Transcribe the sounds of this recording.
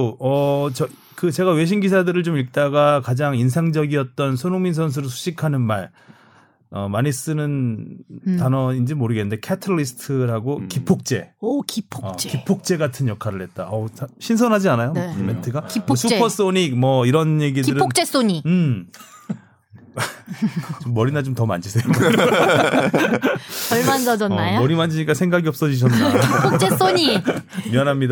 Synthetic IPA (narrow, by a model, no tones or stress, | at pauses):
oʌt͡ɕʌ | kɯt͡ɕe̞ɡawe̞ɕ̬ʰimɡisʰadɯɾɯɭt͡ɕomiɭk̚t͈aɡakad͡ʑaŋins̬ʰaŋd͡ʑʌɡiʌt̚t͈ʌnsʰonomins̬ʰʌns̬ʰuɾɯɭs̬ʰu̥ɕʰikʰanɯnmaɭ | ʌ̰maɲis͈ɯnɯn | tanʌind͡ʑemoɾɯɡenːɯnde̞kʰetʰɯɭːisʰɯ̥tʰɯɾɦaɡokipʰok̚t͡ɕ͈e̞kipʰʌt͡ɕkipʰok̚t͡ɕ͈e̞ɡatʰɯnjʌkʰaɾɯɭhe̞t̚t͈aʌɕʰinsʰʌnɦad͡ʑianajonmentʰɯɡakiʌsʰupʰʌs͈oɲik̚mʌiɾʌnje̞ɡidiɯɾɯok̚t͡ɕ͈es͈oɲiɯ | t͡ɕomːʌɾinat͡ɕomtʌma̰nd͡ʑisʰejokɾ | ʌɭmand͡ʑʌd͡ʑʌːajomʌɾimand͡ʑiɲik͈asʰe̞ŋɡaɡiʌp̚s͈ʌd͡ʑiɕ̬ʰʌnaiot͡ɕ͈es͈oɲimjʌnɦamɲida